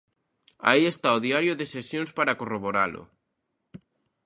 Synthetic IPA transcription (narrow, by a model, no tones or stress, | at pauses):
a̰iest̪aoðiaɾjoðesesjõnspaɾakoroβoɾalʊ̰